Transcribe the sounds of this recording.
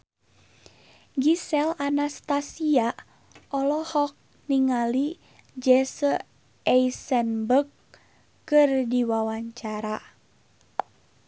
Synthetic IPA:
ɡisɛlanast̪asia | ɔlɔhɔk̚ | niŋali | d͡ʒɛsə | ɛisɛnbəkː | ɨrdiwawaɲt͡ʃaɾa

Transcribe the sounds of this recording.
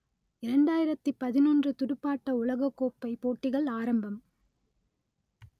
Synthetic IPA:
ɪɾɐɳɖaːjɪɾɐt̪ːɯpːɐðɪnɔndrɯt̪ʊɽɯpːaːʈːɐʊlɐɣɐkːoːpːɐɪpoːʈːɪɣɐɭaːɾɐmbɐm

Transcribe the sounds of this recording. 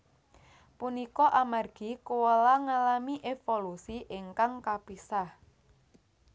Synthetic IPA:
punikɔʔamarɡ̥ikuwəlaŋalamiʔefolusiʔeŋkaŋkapisah

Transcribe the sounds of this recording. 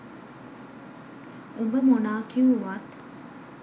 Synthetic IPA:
umbɐmonaːkiuʋat̪

